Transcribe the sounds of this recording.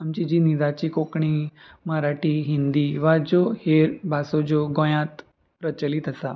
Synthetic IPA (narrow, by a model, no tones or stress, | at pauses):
amt͡ɕid͡ʑiːnid̪at͡ɕiːkokɳi | məɾaʈiːɦind̪iːʋad͡ʑoheɾbasod͡ʑoɡõjãt̪ | pɾət͡ɕəlit̪əsa